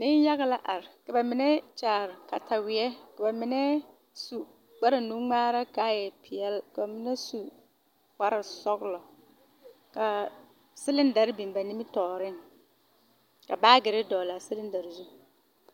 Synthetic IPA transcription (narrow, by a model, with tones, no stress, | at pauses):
nɪ˦n˦ja˦ɣɪ˦la˦ʔa˨ɾka˨ba˨mɪ˨nɛ˦t͡ʃaː˨ɾka˨tʰa˨wɪ˨ɛ˦ka˨ba˨mɪ˨nɛ˦ | su˨ | ɡ͡ba˦ɾɪ˨nũ˦ŋ͡maː˦ɾa˦ka˦jɛ˨pʰɪ˨ɛ˦lka˨ba˨mɪ˨nɛ˦su˨ | k͡pa˦ɾɪ˨sɔ˦ɡlɔ˨ | ka˨ | sɪ˦lɪ˦n˦da˨ɾbi˨m˨ba˨ni˦mɪ˦tɔː˨ɾɪ˦ŋ | ka˨baː˦ɡɪ˨ɾɪ˦dɔː˨la˨sɪ˦lɪ˦n˦da˨ɾɪ˨zu˦